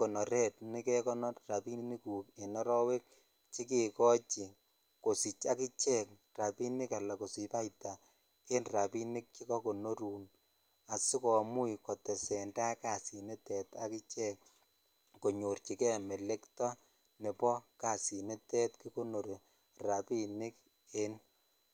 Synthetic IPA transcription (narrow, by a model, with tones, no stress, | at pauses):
ko˨nɔ˨ɾɛ˦tnɪ˦kɛ˦kɔ˦nɔ˦tra˨pi˦ni˦ku˨ke˨nɔ˦ɾɔ˦we˦k̚ | t͡ʃi˦ke˨kɔ˦t͡ʃi˨ | ko˨si˨t͡ʃa˦kɪ˦t͡ʃɛ˦k̚ | ra˨pi˦nɪ˦ka˨la˨ko˨si˨pa˦ita˨ | ke˦nra˨pi˦nɪ˦k̚t͡ʃi˦kɔ˦ko˨no˦ɾuː˨n | a˨si˦kɔ˨mu˦ikɔ˨tɛ˨sɛ˨nda˦ka˨si˨ne˦tɛ˨ta˦kɪ˦t͡ʃɛ˦k | ko˨ɲo˨rt͡ʃi˨kɛ˦mɛ˨le˦ktɔ˦ | ne˨pɔ˦ka˨si˨ne˦tɛ˦tki˦ko˦no˨ɾe˨ | ra˨pi˦nɪ˦k | e˦n